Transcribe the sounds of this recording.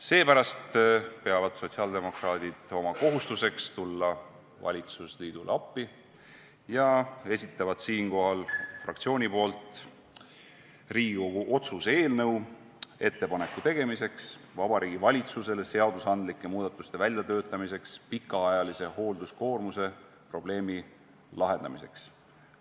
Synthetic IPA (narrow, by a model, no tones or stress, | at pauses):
se̞ːpæɾɑst̪pe̞ɑvɑd̪̥so̞t̪ʲsiɑːld̪̥e̞mo̞krɑːd̪̥id̪̥o̞mɑko̞ɦust̪use̞kst̪ulːɑ | vɑ̰lʲit̪susliːd̪̥ulɑpːi | jɑe̞sʲit̪ˑːɑvɑd̪̥siːnko̞ɦɑlfrɑ̰kt̪sio̞ːnʲipo̞ːlt̪ | riːɡouʔo̞t̪suse̞ːlnɤw | e̞t̪ːe̞pɑne̞kːˑut̪e̞ɡ̥e̞mise̞ksvɑb̥ɑɾiːɡ̥ivɑlʲit̪suse̞le̞se̞ɑd̪̥usɑnd̪̥likːˑe̞muːd̪ɑt̪ːˑust̪e̞vælʲjɑt̪ø̞ːt̪ːˑɑmise̞kspikːˑɑɑjɑlise̞ho̞ːld̪usko̞ːrmuse̞ | pro̞b̥le̞ːmi | lɑɦe̞nd̪̥ɑmise̞̰ks